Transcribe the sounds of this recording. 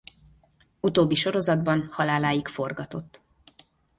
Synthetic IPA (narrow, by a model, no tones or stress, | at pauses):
ut̪oːbːiʃo̞ɾo̞zɒd̪bɒnhɒlaːlaːjikfo̞rɡɒt̪o̞t̪ː